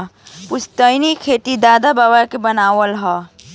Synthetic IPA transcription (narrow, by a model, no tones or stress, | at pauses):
pʊst̪əjnikʰeːt̪id̪aːd̪abaːbakebənaːʋəlɦɛː